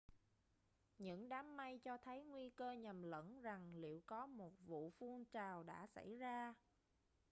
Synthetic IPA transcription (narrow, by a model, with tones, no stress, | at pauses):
ɲɨ̰˧˥ŋɗaː˨˦mːa˧jt͡ɕɔ˧t̪ʰə˨˦jŋwi˧kəː˧ɲə˨˩mlə̰˧˥nza˨˩ŋlḭ˧˨əwkɔ˨˦mo˨˩t̚vṵ˧˨fu˧əŋt͡ɕaː˨˩wɗa̰ː˧˥sa̰˧˩jzaː˧